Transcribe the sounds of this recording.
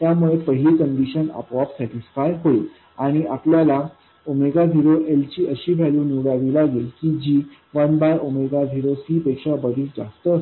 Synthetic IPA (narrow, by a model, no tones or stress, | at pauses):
t̪jamuɭepəɦiliːkəɳɖiɕənə̰pʋapsɛʈisfajɦoi | aɽ̃iʔapljala | omeɡad̪ʱiɾoʔelt͡ɕiːʔəɕiːbʱaluːnuɽaʋilaɡelkiːd͡ʑiːʋənbaɾomeɡad̪ʱiɾosiːpekʂabəd̪ʱiːtd͡za̰st̪ə